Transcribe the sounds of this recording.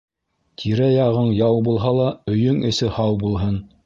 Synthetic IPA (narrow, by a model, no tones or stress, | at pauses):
t̪ʰiɾæjɑʁɤɴjɑwbulˠɦɑlˠɑɵ̆jɵŋɵ̆sɘhɑwbulˠɦɤn